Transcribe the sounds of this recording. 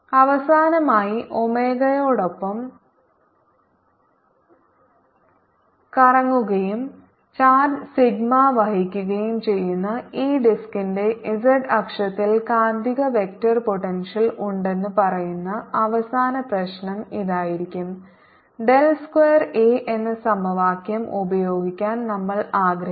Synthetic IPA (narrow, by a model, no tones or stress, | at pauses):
ɐʋɐsaːnɐmaːjiʔo̞me̞ːɣɐjo̞ːɽo̞pːɐm | kɐrɐŋːuɣɐjum | t͡ɕaːɖsiɡmaʋɐɦikʲːuɣɐjumt͡ɕe̞jːunːɐiːɖiskinde̞ʔisɐɖɐkʂɐt̪ːilkaːnd̪iɣɐʋe̞k̚tɐrpo̞ʈːenʂɐluɳɖe̞nːɨpɐrɐjunːɐɐʋɐsaːnɐprɐɕnɐmiðaːjiɾikʲːum | ɖe̞lskwejɐreːʔenːɨsɐmbʱɐʋaːkjɐmubɐjo̞ːɡikʲːaːnnɐmːɐɭaːɡɾɐ